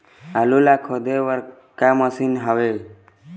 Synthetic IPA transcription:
alulakʰɔd̪ewəɾ | kaməsinɦawe

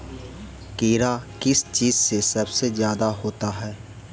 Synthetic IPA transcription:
keːɾakɪst͡ʃiːzsesɐbsezjaːd̪aɦoːt̪aɦɛː

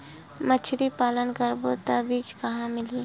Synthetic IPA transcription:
mət͡ʃʰɾipaːlənkəɾbot̪abiːt͡ʃkɐɦãmɪliː

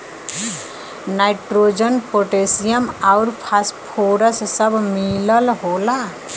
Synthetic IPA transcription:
naɪʈɾoːd͡ʒənpoʈesijəmaʊɾpʰaspʰoːɾəssəbʱmiləlɦoːla

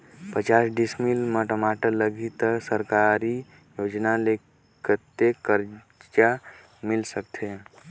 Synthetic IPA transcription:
pət͡ʃaːsɖismilməʈəmaʈələɡit̪əsəɾkaɾi | joːd͡ʒnale | kʰət̪ːekəɾ | t͡ʃa | mɪlsək̚t̪ʰe

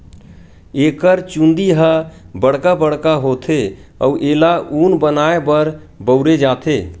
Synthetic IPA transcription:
eːkəɾt͡ʃũnd̪iɦəbəɽ̤kabəɽ̤kaɦoːt̪ʰe | ɔ̰uʔeːlaʔuːnbənaːebəɾ | bəʊɾed͡ʒaːt̪ʰeː

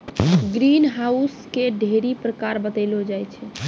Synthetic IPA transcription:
ɡɾinɦauskeɖʱeɾipɾəkaɾbət̪əlod͡ʒajt͡ʃʰɛ

